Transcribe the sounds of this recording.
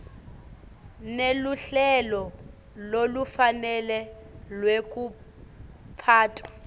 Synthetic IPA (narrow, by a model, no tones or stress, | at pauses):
neluɬɛlɔ | lolufanɛlɛlwek̬ʼu | pʰaːtʼwa